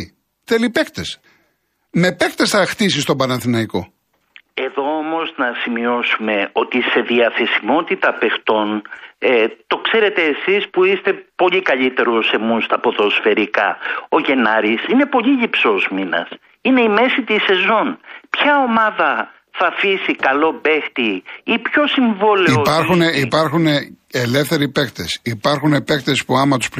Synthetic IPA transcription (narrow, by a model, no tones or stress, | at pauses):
θelipekt̪es | me̞pekt̪esθɐxt̪is̬ist̪o̞bɐnɐθinɐiko̞ | e̞ðo̞omo̞znɐsimio̞sume̞o̞t̪ise̞ðiɐθe̞simo̞t̪it̪ɐpe̞xt̪o̞n | t̪o̞kse̞ɾe̞t̪e̞ːsispuist̪e̞po̞ʎikɐʎit̪e̞ɾose̞must̪ɐpo̞ðo̞sfe̞ɾikɐo̞ʝe̞nɐɾisine̞po̞ʎiʎipsozminɐ̰s | ineime̞sit̪ise̞zo̞npçɐo̞mɐðɐ | θɐfisikɐlo̞be̞xt̪iipço̞siɱvo̞liopɐɾxuneipɐɾxuneele̞fθe̞ɾipe̞kt̪esipɐɾxunepe̞kt̪espuɐmɐt̪u̥sp